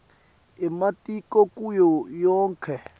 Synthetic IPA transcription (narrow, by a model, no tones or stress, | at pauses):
ɛmatʼikɔkʼujɔjɔːŋkʰɛ